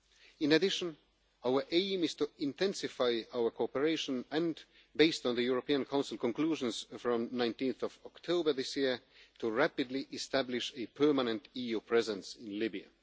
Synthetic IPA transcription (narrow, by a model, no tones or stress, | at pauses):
ɪ̃nadɪʃə̃n | aʊə˞ʔẽɪ̃mɪz̥tuɪ̃ntʰɛ̃nsɪfaɪaʊə˞kʰoɔpəɹeɪʃɔ̃nɛ̃n | beɪstn̩ðəjuɹɔpiãnkʰãʊ̃nsɪl̩ˠkɔ̃nkl̥uʒə̃nsfɹɔ̃mnãɪ̃ntĩnθɔvɔktʰoʊbə˞ðɪsjiɹtʰuɹæpɨdliʔɪstæblɪʃɨpʰɜ˞manə̃ntijupʰɹ̥ɛzɛ̃nsɪ̃nlɪbia̰